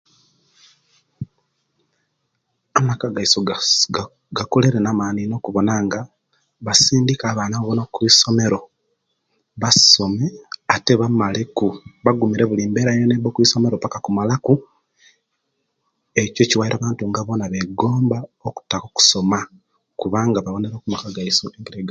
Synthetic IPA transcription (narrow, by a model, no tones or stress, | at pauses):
amakaɡaiso | ɡakole̞ɾenamaːnino̞ːkuβo̞naːŋɡa | βasiːndikaːβaːnaβoβonokwiːso̞me̞ɾo̞ | βasso̞me̞ate̞βamale̞kuβaɡumiɾe̞βuliːmbe̞ːɾajonebokwiːso̞me̞ɾopakakumalaku | eco̞ciwaiɾaβaːntuŋɡaβo̞naβe̞ɡo̞ːmbaoku̥takoku̥so̞ma | kuβaːŋɡaβaβo̞ne̞ɾoːkumakaɡaisoʔempiɾeɡ